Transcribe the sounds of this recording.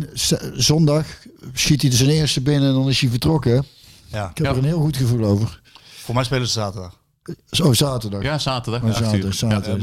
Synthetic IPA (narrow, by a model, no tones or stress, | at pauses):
szɔndɑxsxitidəsənɪəɹstəbɪnəɛndɑnɪsivəɹtrɔkə | ɪkɛprənɦɪːlˠɣutxəvulˠowvərfomɛjspejləsəzaːtədɑx | ozaːtəɹdɑxazaːtədzaːdɑsaːtə